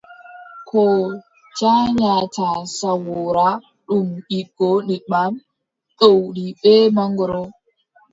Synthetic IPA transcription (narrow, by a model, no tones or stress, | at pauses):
kʰɔ | t͡ʃaɲatasawɔɾa | ɗumɓiɡ̥ɔniɗmam | ɗowɗiɓɛmaŋɡɔɾɔ